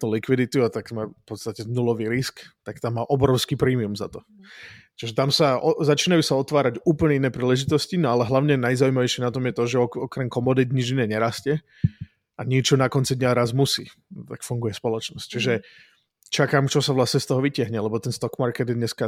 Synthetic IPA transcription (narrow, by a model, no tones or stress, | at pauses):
t̪ulikʋid̪it̪uat̪aɡmaːfpɔt̪st̪acɛnulɔʋiːɾiskt̪akt̪amːaːʔɔbɾɔʊskiːpɾiːmiumza̰t̪ɔ | t͡ʃiʒɛt̪amsaɔzat͡ʃiːnajuːsaɔt̪ʋaːɾaɟuːpl̩ɲɛinɛːpɾiːlɛʒit̪ɔscinɔalɛɦlaʊɲɛnajzaujmaʋɛɪʃɪɛnat̪ɔmjɛt̪ɔʒɛɔɔkɾɛmkɔmɔd̪id̪ɲid͡ʒinɛːɲɛɾascɛ | aɲɛt͡ʃɔnakɔnt͡sid̪ɲaɾazmusḭː | t̪akfuŋɡujɛspɔlɔt͡ʃnɔsct͡ʃiʒɛ | t͡ʃakaːmt͡ʃɔsaʋlasɲɛst̪ɔɦɔʋicɪaɦɲɛlɛbɔt̪ɛnst̪ɔkmaɾkɛd̪jɛd̪ɲɛska